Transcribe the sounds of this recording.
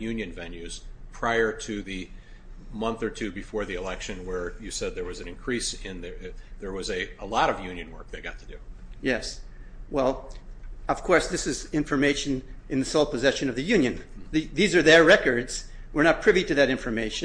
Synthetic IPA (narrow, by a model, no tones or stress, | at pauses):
jʉ̃njɨ̃nvɛ̃njʉz̥pʰɹ̥aɪə˞ɾɨðɨ | mʌ̃nθə˞tʰʉbɨfɔɹðiɨlɛkʃɨ̃nwə˞jɨsɛd̪̚ðə˞wʌzɨ̃nɨ̃nkʰɹ̥isɪ̃nððə˞wʌzɨəlɔɾʌvjʉ̃njɨ̃nwɜ̰˞k̚ðeɪɡɑ̰tʰɨdɨjɛswɛlˠ | ʌv̥kʰɔɹsðɪsɨzɪ̃ɱfə˞meɪʃɨ̃nɨ̃nðɨsoʊlˠpʰɨzɛʃɨ̃nʌvðɨjʉ̃njɨ̃nðiðizə˞ðə˞ɹɛkə˞dz̥ | wə˞nət̚pʰɹ̥ɪviɾɨðɨɾɪ̃ɱfə˞meɪʃɨ̃